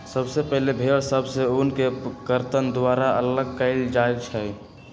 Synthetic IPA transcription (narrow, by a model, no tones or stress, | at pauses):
səbsepəɦlebʱeɽsəbseunkekəɾt̪ənd̪waɾaələɡ̚kəɪld͡ʒaet͡ʃʰɛ